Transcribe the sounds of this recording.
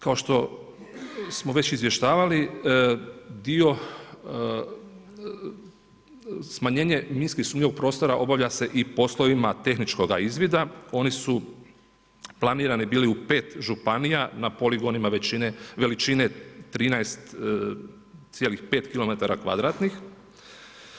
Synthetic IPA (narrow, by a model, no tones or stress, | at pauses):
kao̞ʃt̪o̞ | smo̞ʋe̞t͡ɕizʋjeʃt̪aːʋali | d̪io̞ | smaɲe̞ːɲeminskisuːmɲio̞ɡ̚pɾo̞ːst̪o̞ɾaʔo̞baʋʎase̞ʔipo̞slˠo̞ʋimat̪e̞xnit͡ʃko̞ɡaizʋid̪ao̞nisu | plˠaniːɾanibiːliupe̞ːt̪ʒupanijanapo̞liɡo̞nimaʋet͡ɕineʋe̞lit͡ʃinet̪ɾiːnaest̪ | sje̞lixpe̞ːt̪kilo̞me̞t̪aɾakʋa̰d̪ɾaːt̪nix